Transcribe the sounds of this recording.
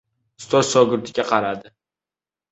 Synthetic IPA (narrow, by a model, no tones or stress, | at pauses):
st̪ozsoɡʊɾt̪ʰɪɡʲaqʰɑɾad̪ɪ